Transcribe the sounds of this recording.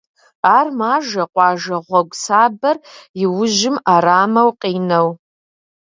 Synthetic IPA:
armaːʒɐqʷʼɑːʒɐʁʷɐɡʷʼsaːbɐriwʊʒɪmaɾaːmɐwqʼinɐw

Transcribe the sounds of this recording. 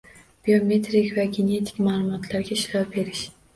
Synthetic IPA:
b̥iomet̪ɾikʲvæɡʲenet̪ʰɪ̥kʲmaːlˠumɒt̪ʰlaɾɡʲɛiʃɾɑbeɾɪʃ

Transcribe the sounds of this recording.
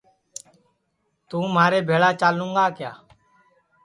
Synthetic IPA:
t̪ũːmaːɾeːbʱeːɭaːt͡ʃaːlũːŋɡaːkjaː

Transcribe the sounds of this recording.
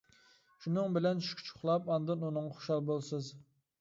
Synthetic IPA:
ʃunɨŋbɪlɛnʃy̥kʲʰy̥t͡ʃʰʊ̥χlˠɑpɑnd̪ɨnunɨŋɑχo̥ʃɑlˠbolˠsɨz

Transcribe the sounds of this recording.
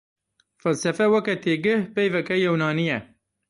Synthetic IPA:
fælsɛfɛwɛkɛt̪ʰeːɡɨhpɛjvɛkɛjɛwnɑːnijɛ

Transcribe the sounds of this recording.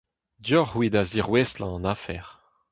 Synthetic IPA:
djɔʁwid̪aziʁweslɑ̃nafɛ̰ʁ

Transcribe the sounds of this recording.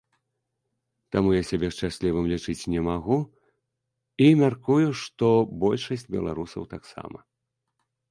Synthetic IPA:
t̪amujasʲabʲɛʂt͡ʂasʲlʲivɨmlʲit͡ʂɨt͡sʲnʲɛmaɣu | imʲarkujuʂt̪ɔbɔlʲʂɐsʲt͡sʲbʲɛ̰lˠa̰ɾusɐ̰wt̪aksa̰mɐ̰

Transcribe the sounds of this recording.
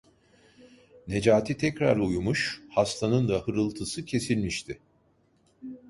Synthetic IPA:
ne̞d͡ʒaːt̪ʰit̪ʰɛcɾa̰ɾujumuʃhast̪ʰanɯnd̪ahɯɾɯlˠt̪ʰɯsɯcʰe̞silʲmiʃt̪ʰɪ

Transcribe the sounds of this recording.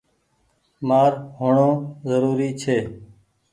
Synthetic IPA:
maːɾɦʊɳõːzəɾuːɾiːt͡ʃʰeː

